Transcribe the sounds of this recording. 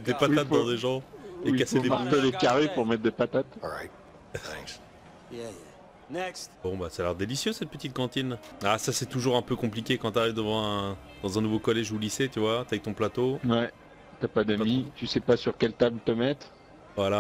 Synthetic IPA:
ɛtd̪epat̪at̪̚d̪ɑ̃d̪eʒɑ̃eikasedepaʁt̪elekaʁepuʁmɛt̪̚d̪epat̪at̪ɹajt̪ | ɛ̃k | j | nɛkst̪bɔ̃basɛalɛʁd̪elisjøsɛt̪̚pət̪it̪̚kɑ̃t̪inasasɛt̪uʒuʁɛ̃pøkɔ̃plikʲekɑ̃t̪yaʁivd̪əvɑ̃ɛ̃ | d̪ɑ̃zɛ̃nuvokɔlɛʒuliset̪yvwat̪yavɛk̚t̪ɔ̃plat̪owɛ | t̪yapad̪amit̪ysɛpasyʁkʲɛlt̪ablt̪əmɛt̪ | vwala

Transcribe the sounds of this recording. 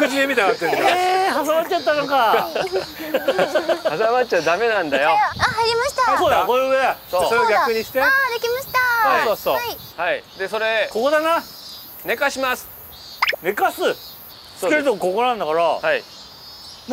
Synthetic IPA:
kɯt͡ɕiemʲit̪ant̪ːeɦas̬amat͡ɕːt͡ɕat̪ːanoka | asamat͡ɕad̪ame̞nãnd̪ajoaɦaɾʲimaɕi̥t̪aasoːd̪akojɯɯed̪aoosoeoɡʲakɯɲ̟iɕi̥t̪ed̪ekʲimaɕi̥t̪aasoːsoːaihaid̪e̞so̞ɾe̞ko̞ko̞d̪ana | ne̞kaɕimasɨ̥ | ne̞kasɨ | t̪eɾɯt̪oko̞koɾnãnd̪akaɾahai | m

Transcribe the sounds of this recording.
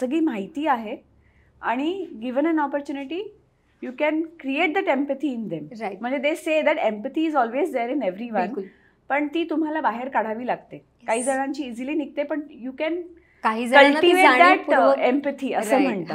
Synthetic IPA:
səɡiːmaɦit̪iːaɦe | aɽ̃iɡiʋənɛnɔpəɾt͡ɕuːniʈiː | jukɛnkɾieʈ̚d̪æʈẽmpət̪ʰiːnd̪emɾajm̤ːəɳd͡zed̪esed̪æʈẽmpət̪ʰiːzɔlʋezd̪eɾĩneʋɾiʋəlnl | pəɳt̪iːt̪um̤alabaɦeɾkaɽ̤aʋiːlaɡt̪e | kaɦiːd͡zəɽ̃ãɲt͡ɕiːd͡ziliːnik̚t̪epəɳjuːkɛn | kaɦiːd͡zəkə̃lʈiʋead̪æʈempət̪ʰiːəsəːm̤əɳt̪a

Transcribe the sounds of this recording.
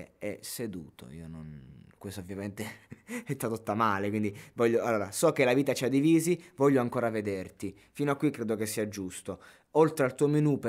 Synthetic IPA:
ɛ̰sed̪ṵːt̪o̰ḭːononkwest̪ovːjament̪eɛst̪at̪ot̪ːamaːlekwind̪ivɔʎːoalːoːɾasɔk̟ːelaviːt̪at͡ʃiad̪ːiviːzivɔʎːoaŋkoːɾaved̪ert̪i | finoakːwikːɾeːd̪okesːiad͡ʒust̪o | olt̪ɾealt̪uːominup

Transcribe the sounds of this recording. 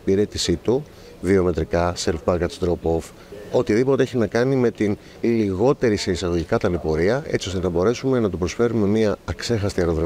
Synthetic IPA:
piɾe̞t̪isit̪u | vio̞me̞t̪ɾikɐselfbɐɡɐt̪sd̪ɾopo̞f | o̞t̪iðipo̞t̪eeçinɐkɐnime̞t̪in | liɣo̞t̪e̞ɾiseisɐɣo̞ʝikɐt̪ɐnepo̞ɾiɐe̞̰t͡sio̞st̪e̞nɐbo̞ɾe̞sume̞nɐt̪upɾo̞sfe̞ɾume̞miɐːkse̞xɐst̪iɐɾoðɾe

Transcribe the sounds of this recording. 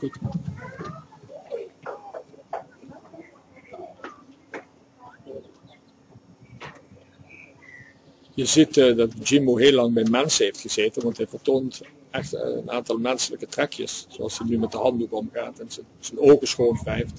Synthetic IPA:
ut | jəzitdɑtd͡ʒimoɦeːlɑŋbɛjmɛnsənɦejftxəzeːtənʋɑntɦɛjvəɹtoːnt | ɛxtə̰naːntɑlˠmɛnsələkətrɛkjə̰ssoɑ̰lˠsənymɛt̚dəɦɑndukɔmɣaːtɛnzəz̥ənoːvəsxoːnvɛjft

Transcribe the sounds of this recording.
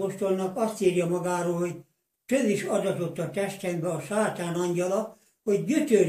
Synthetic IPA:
oʃt̪o̞lnɒkɒst̪iːrjɒmɒɡaːɾoːlhoɟ | t̪øziʃɒd̪ɒt̪o̞t̪ːɒt̪ɛʃt̪ɛŋbɛɒʃaːt̪aːnɒɲɟɒlɒ | ho̞ɟːyt̪øː

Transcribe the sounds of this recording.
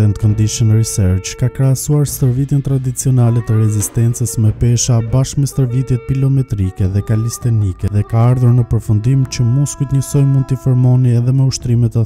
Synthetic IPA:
ɛnt̪kɔnd̪iʃənɾisɛɾt͡ʃkakɾɛasuaɾst̪əɾvit̪jɛnt̪ɾad̪it͡siɔnalɛt̪əɾɛzist̪ɛnt͡səsmɛpɛʃabaʃkmɛst̪əɾvit̪jɛt̪̚pilɔmɛt̪ɾikɛðɛkalist̪ɛnikɛðɛkaaɾðuɾnəpəɾfund̪imt͡ɕəmuskut̪ɲəsɔjmunt̪əfɔɾmɔniɛðɛmɛuʃt̪ɾimɛt̪ɛ

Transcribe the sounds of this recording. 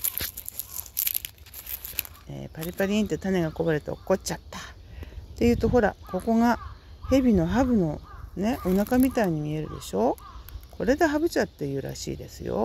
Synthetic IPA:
ḛːpaɾʲipaɾʲiĩnt̪e̞t̪ane̞ɡako̞baɾe̞t̪e̞o̰kːo̞t͡ɕat̪ːḁt̪e̞jɯ̟ːt̪o̞ɦo̞ɾa̰ko̞ko̞ŋahe̞bʲino̞ɦabɯ̟no̞ne̞ʔonakamʲit̪aiɲ̟imʲie̞ɾɯ̟̰d̪e̞̰ɕo̞ːkʰo̞ɾe̞d̪e̞ɦabɯ̟t͡ɕat̪ːe̞jɯ̟ːɾa̰ɕḭːd̪e̞̰sɨjo̰

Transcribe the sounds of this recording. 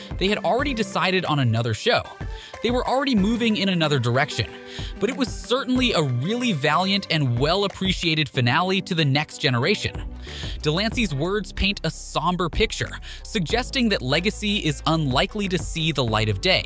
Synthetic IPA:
ðeɪɨɾl̩ˠɹɛɾidɨsaɪɾɨɾn̩ɨnʌðə˞ʃoʊðeɪwə˞ʔl̩ˠɹɛɾimuvɪ̃ŋɪ̃ñɨnʌðə˞də˞ɛkʃɨ̰̃n | b̥ʌɾɨt̚wʌz̥sɜ˞ʔn̩liəɹɪlˠivælˠjɨ̃ntʰɨ̃nwɛlˠəpʰɹ̥iʃieɪɾɨd̥fɨnælˠəɾiɾɨðɨnɛksd̥ʒ̥ɛñə˞eɪʃɨ̰̃n | d̥əlæ̃nsizwɜ˞dz̥pʰẽɪ̃ntəsɑ̃mbə˞pʰɪk̚t͡ʃə̰˞ | sɨɡ̚d͡ʒɛstɪ̃ŋðɨtˡlɛɡɨsiɪzə̃nlaɪkliɾɨsiðəla̰ɪɾʌvdeɪ

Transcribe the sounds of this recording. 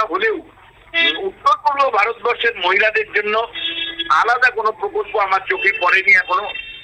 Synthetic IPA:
ɦolew | eut̪ːoɾɡulobʱaɾot̪ɔbɔɾʃeɾmoɦilad̪eɾd͡ʒonːɔ | alad̪akonopɾokolkoamaɾt͡ʃokʰepɔɽeniakʰɔɽ̃o

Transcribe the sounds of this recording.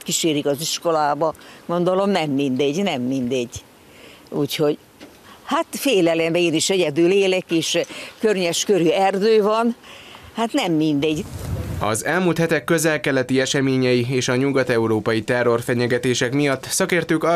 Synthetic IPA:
t̪kiʃeːɾikɒziʃko̞laːbɒɡ̥o̞nd̪o̞lo̞mnɛmːind̪ɛɟnɛmːind̪ɛɟ | uːcho̞ɟ | hat̪feːlɛlɛmbeːniʃɛɟɛd̪yleːlɛkiːʃkørɲɛʃkøɾyɛrd̪øːvɒnhat̪nɛmːind̪ɛɟɒ̰zɛlmuːlt̪hɛt̪ɛkːø̞zɛlkɛlɛt̪iɛʃɛmeːɲɛjieːʃɒɲuɡɒt̪ɛuɾoːpɒjit̪ɛrːo̞rfɛɲɛɡɛt̪eːʃɛkmijɒt̪ːsɒkeːrt̪øːkɒ

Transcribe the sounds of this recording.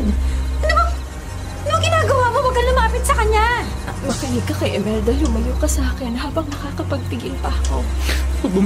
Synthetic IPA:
ʔɐnomo | ɐnŋɡɪnaːɡɐwaːmobɐɡɐlʊmaːpɪt̪̚sɐkɐɲa | mɐkɐnikːɐkɐjʔɛmɛld̪ɐlʊmɐjoːkɐsaːkɪnɦaːbɐŋmɐkaːkɐpɐɡ̚t̪ɪɡɪlpɐkobʊm

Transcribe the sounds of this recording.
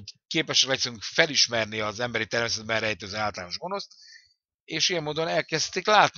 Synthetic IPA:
keːpɛʃɛklɛksyŋkfɛliʃmɛrniɒzɛmbɛɾit̪ɛrmeːsɛd̪̚bɛnrɛjt̪ɛzøːaːlt̪ɒlaːno̞ʒɡo̞no̞st̪ | eːʃijɛmːoːd̪o̞nɛlkɛst̪iklaːt̪n

